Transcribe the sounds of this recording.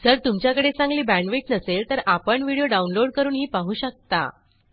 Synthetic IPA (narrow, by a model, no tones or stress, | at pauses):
səɾt̪umt͡ɕjakəɽet͡sãŋɡliːbæɳɖʋeʈnəselt̪əɾapəɳʋiɽijoɖaunloɖ̚kəɾuːnɦiːpaɦuːɕək̚t̪a̰